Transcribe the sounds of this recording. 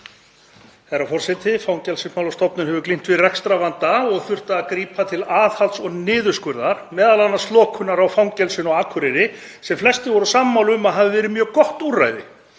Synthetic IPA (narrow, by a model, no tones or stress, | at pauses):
hɛɾafɔr̥sɛt̪ɪfawŋcɛlsɪsmawlɔst̪ɔpnʏnɦɛvʏklin̥t̪vɪrɛkst̪ɾavant̪aɔɣθʏr̥t̪aːkɾiːpʰat̪ʰɪlaːðhalt̪sɔɣnɪːðʏskʏɾðaɾ̥mɛːðalanːast̪lɔːkʰʏnaɾawfawŋcɛlsɪnɔɣaːkʰʏɾɪɾɪ | sɛmflɛst̪ɪvɔɾasaːmːawlʏmaðɦavɪvɛːɾɪmjœːɣkɔht̪ura̰jðɪ̰